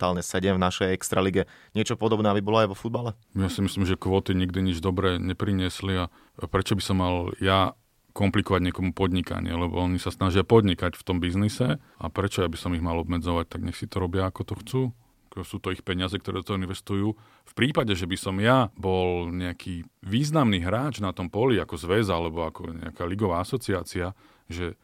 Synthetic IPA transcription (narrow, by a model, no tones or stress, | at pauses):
t̪aːlɲɛsɛɟɛmvnaʃɛjɛkst̪ɾaliɡɛɲɪɛt͡ʃɔpɔd̪ɔbnɛːabibɔlɔajʋɔfud̪balɛ | mjasimisliːmʒɛkʋɔːt̪iɲiɡ̚d̪iɲid͡ʒd̪ɔbɾɛɲɛpɾiɲɪɛslia | pɾɛt͡ʃɔbisɔmːalja | kɔmplikɔʋaɟɲɪɛkɔmupɔd̪ɲika̰ɲɪ̰ɛ̰lɛbɔ̰ɔɲisasnaʒɪapɔd̪ɲikacft̪ɔmbiznisɛ | a̰pɾɛt͡ʃɔjabisɔmiɣmalɔbmɛd͡zɔʋac̚t̪aɡɲɛxsit̪ɔɾɔbɪaːkɔt̪ɔxt͡suː | kɔsuːt̪ɔixpɛɲɪazɛkt̪ɔɾɛd̪ɔt̪ɔɦɔinʋɛst̪ujuː | fpɾiːpaɟɛʒɛbisɔmjabɔlɲɛakʰiːʋiːznamniːɦɾaːt͡ʃnat̪ɔmpɔliakɔzʋɛzalɛbɔakɔɲɛ̰akaːliɡɔʋaːasɔt͡siaːt͡sia | ʒɛ